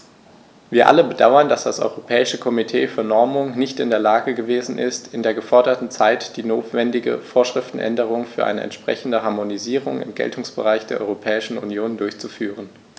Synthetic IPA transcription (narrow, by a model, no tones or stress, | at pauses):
viːɐʔa̰ləbədaʊɐndasd̥asʔɔ̰ʏʁopʰɛːɪʃəkʰɔmitʰeːfyːɐnɔɐmʊŋnɪçtɪndeːɐlaːɡəɡəveːzn̩ʔɪ̰stɪndeːɐɡəfɔɐdɐtn̩t͡saɪtd̥iːnoːtv̥ɛndɪɡə̰foːɐʃʁ̥ɪftn̩ʔɛ̰ndəʁ̞ʊŋfyːɐʔa̰ɪnə̰ʔɛ̰ntʃpʁ̥ɛ̰çn̩dəɦaɐmoniziːʁ̞ʊŋɪ̰mɡɛ̰ltʰʊŋsb̥ə̰ʁaɪçd̥eːɐʔɔʏʁopʰɛːɪʃn̩ṵnjoːndʊɐçt͡sufyːʁ̞ən